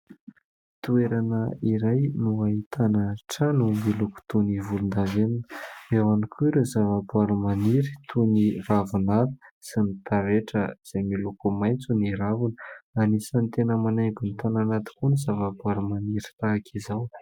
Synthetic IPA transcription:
t̪ueɾanəiɾajnuaɦit̪ʰanəʈ͡ʂanumiluku̥t̪univulund̪aveninəewanikʰuɾezavabuaɾumaniɾit̪ʰuniravunaɾu̥sinit̪aɾeʈ͡ʂəz̥emilukumajnt͡suniɾavunə̥anisant̪enəmanajɡunit̪ananat̪i̥kunizavabuaɾumaniɾi̥t̪aːkʰizaw

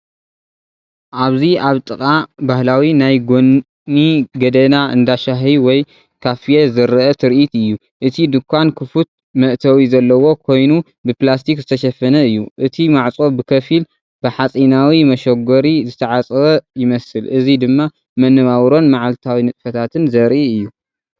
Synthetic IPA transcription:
ʔaβziaβt̪ʼɨkʼabahlawinajɡon | niɡɐd̪ɐnaɨ̰nd̪aʃaɦiwɔj | kʰafijezɐɾɐʔɐt̪ʰɨɾʔit̪ɨjːu | ʔɨt̪ʰid̪ɨkʰʷːankʰɨfut̪̚ | mɐʔt̪ʰɐwizɐlːɐwo̞kʰo̞jnu | bɨplast̪ʰikzɨt̪ʰɐʃɐfːɐnɐɨjːuʔɨt̪ʰimaʕt͡sʼo̞bɨkʰɐfil | b̥ɨħat͡sʼinawimɐʃɐɡoɾizɨt̪ʰɐʕat͡sʼɐβɐjɪmɐsɨlʔɨzid̪ɨmːa | mɐnːɨβawɾo̞nmaʕalt̪ʰawinɨt̪ʼfɐt̪ʰat̪ʰɨnzɐɾʔiɨjːu

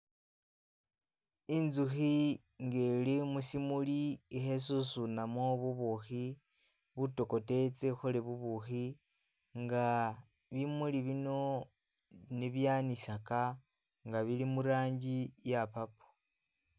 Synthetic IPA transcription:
inzuxi | ŋɡelemusimuliːxes̬usunamoβuβuxi | βuto̞ko̞te̞t͡se̞xuleβuβuxi | ŋɡa | βimuliβino̞ | niβjaːnisaka | ŋɡaβilimuɾaːɲɟijapapu̥

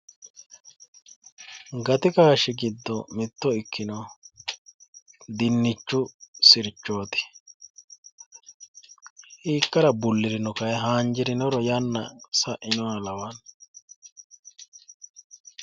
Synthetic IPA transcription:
ɡɐt̪ɪkaːʃɪɡɪd̪ːɔmɪt̪ːɔɪkːɪnɔ | d̪ɪnːɪt͡ʃːʊsɪɾt͡ʃːoːt̪ɪ̥ | hiːkːɐɾɐbʊlːɪɾɪnɔkɐjɛɦaːnd͡ʒɪɾɪnɔɾɔjɐnːɐ̰sɐʔɪnɔnɐlɐwan

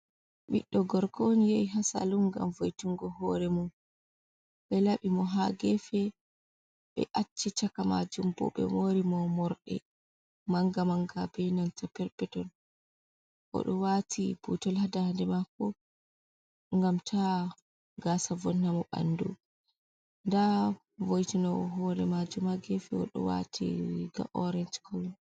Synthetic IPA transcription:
ɓḭɗːɔɡɔɾkʰonijɛjɦasa̰lumɡa̰mvojtuŋɡɔhɔɾɛmun | ɓɛlaɓimɔɦaɡɛfɛ | ɓɛ̰ʔat͡ʃːit͡ʃakama̰d͡ʒumbɔ̰ɓɛ̰moɾimɔmɔɾɗɛ̰ | maŋɡamaŋɡabɛnantapɛɾpɛtɔn | ʔɔ̰ɗɔwatʰib̥utɔlhadahandɛmakɔ | ŋɡamtʰa | ɡasavɔnhamɔɓa̰ndṵ | nda | vojtinɔɦɔɾɛmad͡ʒumaɡɛfɛɔ̰ɗɔ̰wa̰tʰḭɡa̰mʔɔɾɛnt͡ʃkʰɔwin

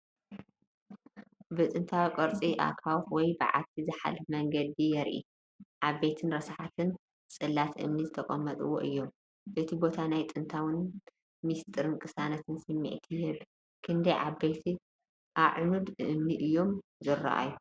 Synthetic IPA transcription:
bɨt̪ʼɨnt̪ʰawikʼɐɾt͡sʼiʔa̰kʰawfwɔjbɨ̰ʕa̰t̪ʰizɨħa̰lɨfmɐŋɡɐd̪ijɛɾʔḭ | ʔaβːet̪ʰɨnɾɐsħat̪ʰɨn | t͡sʼɨlːat̪ʔɨ̰mnizɨt̪ʰɐkʼɐmːɐt̪ʼɨwo̰ʔɨjːo̞m | ʔɨt̪ʰibo̞t̪ʰanajt̪ʼɨnt̪ʰawɨn | mist̪ʼɨɾɨnkʰʼɨsanɐt̪ʰɨnsɨmːḭʕt̪ʰihɨβ | kʰɨnd̪ɐjʕabejt̪ʰi | ʔaʕnud̪ɨmniʔɨjːo̞mzɨrːa̰ʔa̰ju

